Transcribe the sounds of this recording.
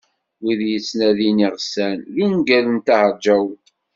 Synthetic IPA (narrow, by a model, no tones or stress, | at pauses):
wiðjət͡sːnæðiniʁsænlunɡælənt̪ahəɾˤd͡ʒæw